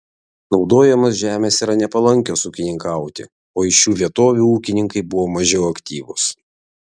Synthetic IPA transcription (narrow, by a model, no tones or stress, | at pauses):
nɒʊd̪oːjɛmɐsʒʲæːmʲeːsiːɾɐnʲɛpɐlˠɐŋʲkʲoːsuːkʲɪnʲɪŋkɑˑʊt̪ʲɪ̰ | oːɪʃjuːʋʲiɛt̪oːʋʲuːuːkʲɪnʲɪŋkɐɪbʊʋoːmɐʒʲɛʊɐkʲt̪ʲiːʋʊs